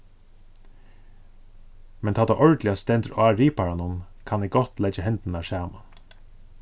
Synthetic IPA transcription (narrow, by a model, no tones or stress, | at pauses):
mɛnt̪ʰɑːd̪aʔɔɹd̪lɪast̪ɛnt̪əɾaːɹiːpaɾanʊmkʰɑnɛɡɔt̪lɛd͡ʒəhɛnt̪n̩ɑʃæːma